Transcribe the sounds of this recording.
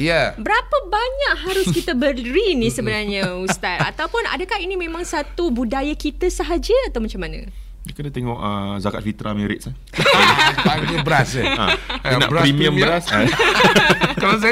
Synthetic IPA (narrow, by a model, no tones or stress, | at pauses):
jabəɾapəbaɲaʔhaɾʊskit̪əbəɾinisəbənarɲəusst̪at̪̚a̰t̪awpʊna̰dəkaɦinimẽmãŋsat̪ubudajakit̪əsəɦad͡ʒəat̪awmat͡ʃamanə̰̃ | dəkənat̪eŋɔʔəzaka̰t̪̚fit̪ɾameɾɪ̰t̪̚sa | aɡəbəɾasəa̰ina̰ʔpɾimiə̃mbas | kɔsɛ